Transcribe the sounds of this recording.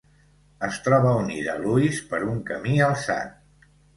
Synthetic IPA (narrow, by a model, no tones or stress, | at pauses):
əst̪ɾɔβəuniðə̰luispəɾuŋkəmiəlˠsa̰t̪